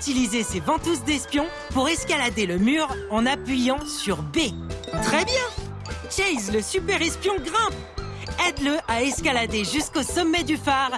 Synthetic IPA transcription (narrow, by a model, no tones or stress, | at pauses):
yt̪ilizesevɑ̃t̪us̬d̪ɛspjɔ̃ | puʁɛskalad̪eləmyʁɑ̃napɥijɑ̃syʁbe | t̪χɛbjɛ̃ | t͡ʃɛjzləsypɛʁɛspjɔ̃ɡʁɛ̃p | ɛd̪ləʔaɛskalad̪eʒyskosɔmːɛd̪yfaːʁ